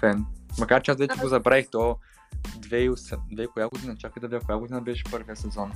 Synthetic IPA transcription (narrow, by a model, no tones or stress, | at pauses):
fɛnmɐkaɾt͡ʃɛasvɛt͡ʃɛɡozɐbɾaixt̪o | d̪vɛiʊsɛd̪vɛikoʊjaɡod̪inɐt͡ʃakəd̪ɐvʲid̪ʲakʊjaɡod̪inɐbɛʃɛ̥pɤɾviəsɛzɔn